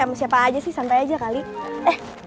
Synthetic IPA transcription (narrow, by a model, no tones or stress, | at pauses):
amasiapaːd͡ʒasɪhsampajad͡ʒakaliɛh